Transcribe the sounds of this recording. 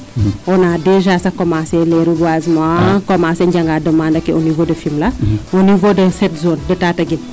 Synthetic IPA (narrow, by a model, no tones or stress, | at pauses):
ɔnadɛʒasɐkɔmasɛlɛɾuɡwazmãkɔmaːsɛɲɟɐŋɡadɐmandɐkːɛʔonivodɐfimlɐonivodɐsɛtzoːndɛtaːtɐɡin